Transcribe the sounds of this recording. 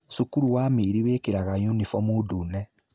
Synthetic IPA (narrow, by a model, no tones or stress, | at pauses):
sukuɾuwaːmeɾiweːkeɾaɣajunifɔmudunɛ